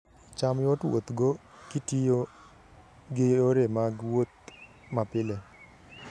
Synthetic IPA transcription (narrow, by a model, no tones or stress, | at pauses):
t͡ʃamjɔtwo̰t̪ɡo | kɪtijo | ɡeoɾemaɡwot̪̚ | mapɪle